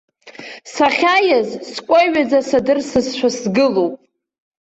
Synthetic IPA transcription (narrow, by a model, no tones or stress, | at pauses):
saχʲajazskʷʼajɥad͡zasadɨrsɨzʃʷᶣasɡɨlopʼ